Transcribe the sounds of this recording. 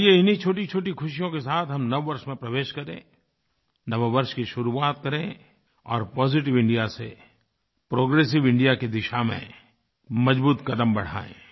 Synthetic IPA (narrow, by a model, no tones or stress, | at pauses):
jeɪnit͡ʃʰoːʈit͡ʃʰoːʈikʰʊʃijõkesaːt̪ʰɦɐmnɐʋʋɐɾʃmẽpɾɐʋeːʃkɐɾḛ̃ː | nɐʋeʋɐɾʃkiʃʊɾuaːt̪̚kɐɾẽ | ɔ̰ːɾpɔːziʈ̬ɪʋɪ̃ɳɖijasḛ | pɾoːɡɾeːs̬ɪʋɪ̃ɳɖijakid̪ɪʃamḛ̃ | mɐd͡ʒbuːt̪kɐd̪əmbɐɽ̤a̰ːḛ̃ː